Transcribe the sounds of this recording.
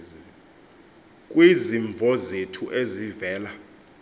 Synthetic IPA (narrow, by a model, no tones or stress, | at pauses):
k̬ʼwiziɱb̪vʱɔzetʰuʔezivɛːla